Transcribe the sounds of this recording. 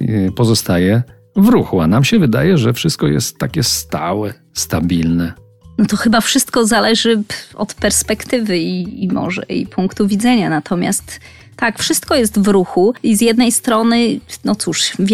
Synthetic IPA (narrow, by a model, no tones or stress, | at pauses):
pɔzɔst̪ajɛ | vɾuxuanamɕɛvɘd̪a̰jɛʐɛfʂɨst̪̚kɔjɛ̰st̪ːakʲɛst̪a̰wɛ | st̪abʲilnɛ | nɔt̪ɔxɘbafʂɘst̪kɔzalɛʐɘɔ̰t̪pɛɾspɛkt̪ɘvɘiimɔ̰ʐɛ̰ḭpʰuŋkt̪uvʲid̪zɛɲanat̪ʰɔmʲja̰st̪ː | akfʂɘst̪kɔjɛst̪vɾuxuizʲjɛd̪nɛjst̪ɾɔnɘnɔt̪suʂvʲ